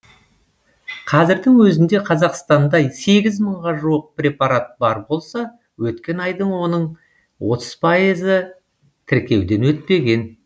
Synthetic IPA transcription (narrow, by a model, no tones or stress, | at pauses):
qʰɑzɪɾd̪ɪŋwɵzɪnd̪e̞qʰɑzɑqst̪ɑnd̪ɑjse̞ɡʲɪzməɴʁɑʒuəq̚pɾʲe̞pɑɾat̪̚bɑɾbo̞lˠsɑ | wɵt̪kʲe̞nɑjd̪əɴwo̞nəɴ | wo̞t̪ə̥z̥pʰɑjəzə | t̪ʰɪɾkʲe̞wd̪e̞nwɵt̪̚pe̞ɡʲe̞n